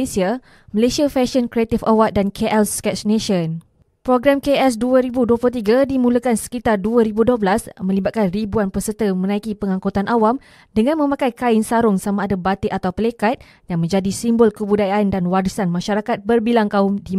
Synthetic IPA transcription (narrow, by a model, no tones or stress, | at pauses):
esia | məlesiafɛʃənkɾiat̪ifawat̪̚dankʰeʔɛlskɛt͡ʃnẽʃən | pɾoɡɾamkeɛs̬duəɾibuduəplʊt̪iɡadimũləkansə̥kit̪arduaɾibudobəlasmə̃libat̪̚kanribuanpəsət̪əmə̃nãikipəŋãŋkot̪anʔawam | dəŋãnmə̃mãkajkaɪnsaɾʊŋsamaːdabat̪eʔat̪awpəlekat̪̚ | jaŋmə̃ɲd͡ʒadisimbɔlkəbudajandanwaɾisanmãʃaɾakat̪̚bərbilaŋkaʊmdi